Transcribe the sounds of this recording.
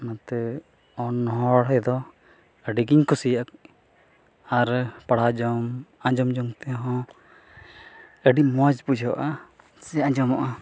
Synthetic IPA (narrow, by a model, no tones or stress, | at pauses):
nat̪ɛ | ɔnːɔɦɔɽɦɔjd̪ɔ | əɖiɡiɲkʰusijaak | aɾpaɽ̤ad͡ʒɔmãd͡ʒɔmd͡ʒɔŋt̪ɛɦɔ̃ | əɖimɔd͡ʒbud͡ʒʱɔʔa | sɛãd͡ʒɔmɔʔa